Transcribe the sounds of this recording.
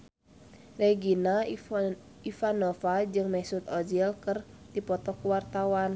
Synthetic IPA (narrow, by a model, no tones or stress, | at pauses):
rɛɡina | ifanɔfad͡ʒɨŋmɛsut̪ɔd͡ʒɛlkɨr | dipɔt̪ɔkuwart̪awan